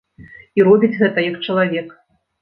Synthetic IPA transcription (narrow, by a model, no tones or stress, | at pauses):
iɾɔbʲid͡zʲɣɛt̪ɐjɐkt͡ʂɐlˠavʲɛk